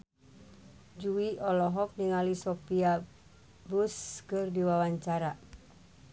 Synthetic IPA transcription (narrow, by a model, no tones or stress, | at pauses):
d͡ʒuiɔlɔɦɔk̚niŋalisɔpia | buskɨrdiwawaɲt͡ʃaɾa